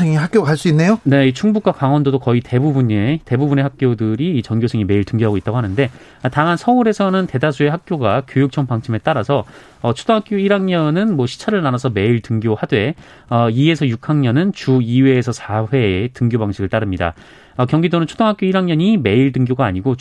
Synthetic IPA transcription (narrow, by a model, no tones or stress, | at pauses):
eŋiɦak͈joakaɭs͈uinːe̞jone̞it͡ɕʰuŋbuk͈akaŋwʌndodokʌite̞bubuɲete̞bubune̞hak̚k͈jodɯɾiːt͡ɕʌŋɡjosʰeŋime̞iɭtɯŋɡjoɦaɡoit͈̚aɡohanɯnde̞ | ataŋansʰʌuɾe̞sʰʌnɯnte̞dasʰue̞ɦak̚k͈joɡakjojuk̚t͡ɕʰʌŋpaŋt͡ɕʰime̞t͈aɾasʰʌ | ʌt͡ɕʰu̥dʰoŋɦak͈joiɾaŋɲʌnɯnmwʌɕʰi̥t͡ɕʰaɾɯɭnanasʰʌme̞iɭtɯŋɡjohadwe̞ | ʌie̞sʰʌjukʰaŋɲʌnɯnt͡ɕuiwe̞ːsʰʌsʰawe̞tɯŋɡjobaŋɕʰiɡɯɭt͈aɾɯmɲida̰ | ʌkjʌŋɡidonɯnt͡ɕʰu̥dʰʌŋɦak͈joiɾaŋɲʌɲime̞iɭt̬ɯŋɡjoɡaːɲiɡo